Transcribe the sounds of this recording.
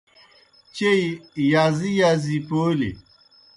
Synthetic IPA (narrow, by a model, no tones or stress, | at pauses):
t͡ɕeijaːzijaːzipoːlḭ